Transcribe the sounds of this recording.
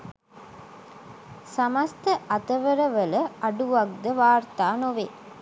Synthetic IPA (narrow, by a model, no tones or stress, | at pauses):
sɐmɐst̪əʔɐt̪ɐʋəɾɐʋələɐɖuʋɐɡ̚d̪əʋaːɾt̪aːnoʋe